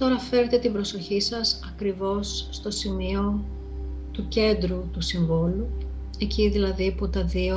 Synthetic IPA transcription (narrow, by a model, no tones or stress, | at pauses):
t̪o̞ɾɐfe̞ɾe̞t̪e̞t̪ibɾo̞so̞çisɐsɐkɾivo̞sːt̪o̞simio̞ | t̪uce̞nd̪ɾut̪usiɱvolu | e̞ciðilɐðiput̪ɐðio